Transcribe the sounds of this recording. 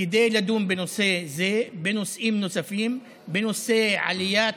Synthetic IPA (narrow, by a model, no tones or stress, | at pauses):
ɪd̪eːlad̪uːmbenusezeːbenusʔiːmnusafiːm | benuseʕa̰lɪjaː